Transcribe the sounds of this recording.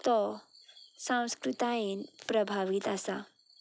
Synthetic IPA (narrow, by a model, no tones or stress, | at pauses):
t̪ɔ | sãw̃skɾut̪ainpɾəbʱaʋit̪asa